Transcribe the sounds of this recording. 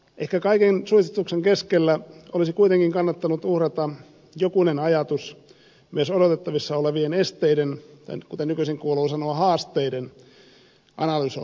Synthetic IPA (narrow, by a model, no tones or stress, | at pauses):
ʔehkækɑikensuist̪et̪ukseŋkeskelːæolisikuit̪eŋkiŋkɑnːɑt̪ːɑnut̪uhrɑt̪ɑ | jokunenɑjɑt̪us | myøsodot̪et̪ːɑʋisːɑoleʋienest̪eident̪ɑ̰ikut̪enykyseŋkuoluːsɑnoɑhɑːst̪ˑeiden | ʔɑ̰nɑlyso̰